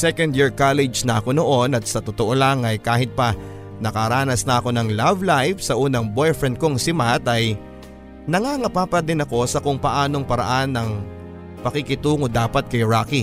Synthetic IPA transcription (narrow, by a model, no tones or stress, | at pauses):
sɛkɐnd̪jiɹkalɛd͡ʒnɐʔɐko̞no̞ʔo̞nɐt̪̚sɐt̪ot̪oʔo̞laŋɐjkaːɦɪt̪̚pɐ | nɐkɐɾaːnɐsnɐʔɐko̞nɐŋlavlajfsɐʔuːnɐŋbojfɹɛnd̪̚koŋsɪmat̪ɐj | nɐŋaŋɐpaːpɐd̪ɪnɐko̞sɐkʊŋpɐʔaːno̞ŋpɐɾɐ̰ʔanːɐŋ | pɐkikɪt̪uːŋod̪aːpɐt̪̚kɐjɹaːki